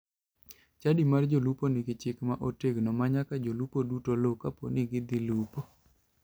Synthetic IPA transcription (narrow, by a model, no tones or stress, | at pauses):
t͡ʃadimard͡ʒoluponɪɡɪt͡ʃɪkmaʔoteɡnɔmaɲakad͡ʒolupodutolokapo̰nɪɡɪd̪ɪlupo